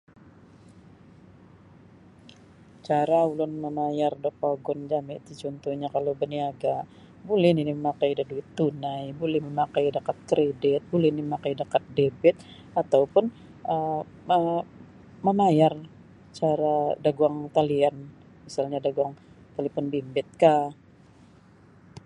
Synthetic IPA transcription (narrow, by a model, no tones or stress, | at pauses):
t͡ʃaɾaulʊnmənajardɔpaɡɔnd͡ʒamɪt̪it͡ʃɔnt̪ɔhɲakalobəniaɡaʔ | bulɛhniniməmakajdaduɪt̪ːunajbulɛhməmakajdakat̪̚kɾedɪt̪̚bulɛhiniməmakajdakat̪̚debɛt̪̚ | at̪awpʊn | ʔə | ə | mənajar | t͡ʃaɾadaɡuaŋt̪alian | misalɲadaɡuaŋt̪alipɔnbimbɪt̪̚ka